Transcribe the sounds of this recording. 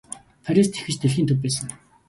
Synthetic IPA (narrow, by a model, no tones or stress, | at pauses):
fʰaɾʲist̪ʰexɘ̆t͡ɕt̪ʰeɮxiːnt̪ʰɵp̬ːæːs̬ə̆ŋ